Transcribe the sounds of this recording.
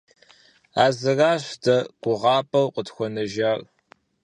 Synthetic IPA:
aːzɨraːɕdɐɡ̥ʷʊʁɑːpʼɐwqʷətxʷɔnɐʒaːr

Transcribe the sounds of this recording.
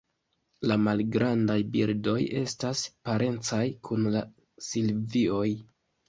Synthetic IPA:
lamalɡɾandajbiɾdo̞je̞̰staspaɾe̞nt͡sajkʰunla | silvio̞j

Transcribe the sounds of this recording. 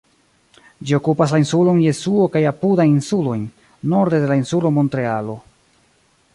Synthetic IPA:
d͡ʒio̞kupas̬lainsulo̞nje̞suo̞kajapudajinsulo̞jnː | o̞ɾde̞de̞lainsulo̞mo̞ntɾe̞alo̞

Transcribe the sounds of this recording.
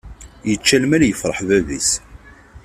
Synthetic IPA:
jət͡ʃːælmæljəfɾˤəħðæðḭs

